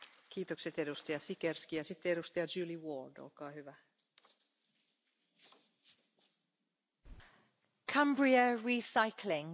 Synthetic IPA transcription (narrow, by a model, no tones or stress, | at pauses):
kʰiːt̪okset̪edust̪ɑjɑsikerskijɑsit̪ːeeɾust̪ɑjɑd͡ʒʉːliwoːldo̰lkɑːhyʋæ | kʰãmbɹiəɹiːsaɪkʰlɪŋ